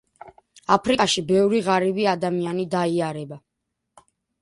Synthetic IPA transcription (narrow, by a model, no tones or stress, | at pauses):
apʰɾikʼaʃibɛvɾiʁaɾibiad̪amianid̪aiaɾɛba